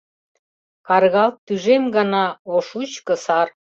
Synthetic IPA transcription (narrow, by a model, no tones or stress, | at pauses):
kɑrɣɑlt̪ːyʒemɡɑnɑoʃut͡ɕkə̆sɑr